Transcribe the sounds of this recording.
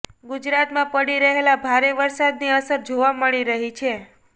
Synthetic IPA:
ɡud͡ʒɾat̪mãpəɽiɾəɦelabʱaɾeʋəɾsad̪niəsəɾd͡ʒoʋaməɭiɾəɦit͡ʃʰe

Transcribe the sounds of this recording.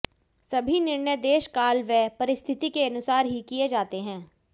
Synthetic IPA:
sɐbʱinɪɾnjəd̪eːʃkaːlʋɛpɐɾɪst̪ʰɪt̪ikeɐnʊsaːɾɦikied͡ʒaːt̪eɦɛ̃ː

